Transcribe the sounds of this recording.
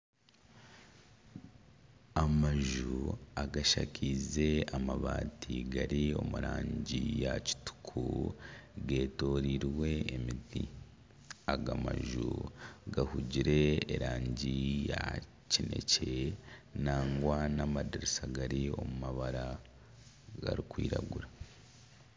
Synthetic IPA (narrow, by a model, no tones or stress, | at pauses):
amaʒuaɡaʃa̰cʰize̞amaβaːtʰiɡaɾio̞̰muɾaːɲɟijaci̥tu̥kʰu | ɡe̞ːto̞ːɾiɾwe̞ːmidi | aɡama̰ʒṵɡahuɟiɾe̞ːɾaːɲɟija | cine̞̰ce̞naːŋɡwanamadiɾisaɡaɾio̞mumaβaɾa | ɡaɾikwiːɾa̰ɡuɾa